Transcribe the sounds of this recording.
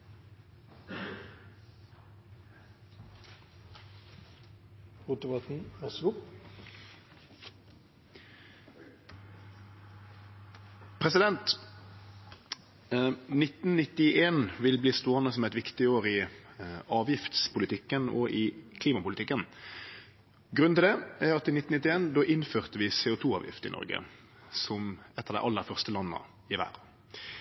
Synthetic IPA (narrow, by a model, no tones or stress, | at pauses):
ʁuːt̪əʋɑt̪n̩æsʊp | pʰʁɛsɪd̪ɛnt̪ | nɪt̪n̩nɪt̪ɪʔeːnʋɪlbliːst̪oːənəsɔmɛɪt̪ʋɪkt̪ɪoːʁɪ | ɑːʋjɪft̪spʰʊlɪt̪ʰɪkːənɔ̰ʔɪkʰliːmɑpʊlɪt̪ɪkːən | ɡʁʉnnɪld̪ɛæɾɑt̪ɪnɪt̪n̩ɪt̪ɪeːnd̪oːʔɪnføːʁt̪əʋɪseːʊt̪ʰuːɑ̰ːʋjɪ̰ft̪əɪ̰nɔ̰ʁɡə̰ | sɔmɛt̪ːɑʁd̪æ̰ɪʔɑlːəʁfœʁst̪əlɑnːə̰ | ɪʋæ̰ːʁ